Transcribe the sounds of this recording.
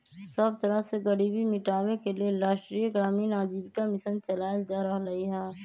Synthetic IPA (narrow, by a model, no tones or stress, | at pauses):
səb̚t̪ɐɾəɦseɡɐɽibʱimɪʈaːʋekelieɾaːʃʈɾiːjɡɾaːmiːnaːd͡ʒiːbkamɪsənt͡ʃɐlaːjd͡ʒaːɾɐɦɾɐɦiɦɛː